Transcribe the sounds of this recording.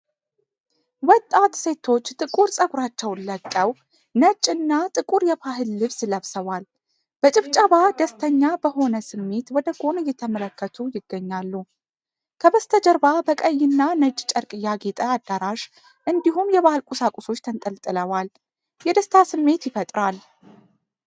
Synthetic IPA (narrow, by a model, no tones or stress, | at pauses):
wɔt̪ʼːat̪se̞t̪ʰo̞t͡ʃːt̪ʼɨkʼuɾsʼəɡuɾat͡ʃːɛwnləkʼːəw | nət͡ʃʼːɨnːat̪ʼɨkʼuɾjɛbaɦɨlːɨβsləβsəwal | b̥ət͡ʃʼɪβt͡ʃʼəβad̪əst̪ʰəɲːabəɦo̞nəsɨmːe̞t̪wɔd̪əɡo̞nɨjːɛt̪ʰəmələkːət̪ʰujɪɡːəɲːalːu | kʰəbəst̪ʰəd͡ʒəɾbabəkʼəjːɪnːanət͡ʃʼːt͡ʃʼəɾkʼɨjaɡet̪ʼəad̪ːaɾaʃ | ʔɨnd̪iɦumjɛβahɨlkʼusakʼuso̞t͡ʃːt̪ʰənt̪ʼəlt̪ʼɨləwal | jɛd̪əst̪ʰasɨmːe̞t̪jɪfət̪ʼɾal